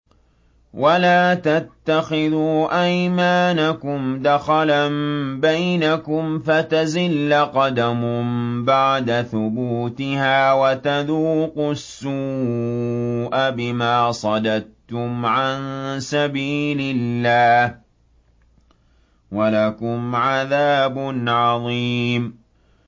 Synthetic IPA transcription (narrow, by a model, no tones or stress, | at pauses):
wʔalaːt̪at̪ːaxɪðuːʔajmaːnakʊmd̪axalambajnakʊmfat̪azɪlːaqɑd̪amʊmbaʕd̪aθʊbuːt̪ɪhaːwat̪aðuːqʊsːuː | ʔabɪmaːsˤɑd̪ad̪tʊmʕansabiːlɪlːaːh | walakʊmʕaðaːbʊnʕɑðˤiːm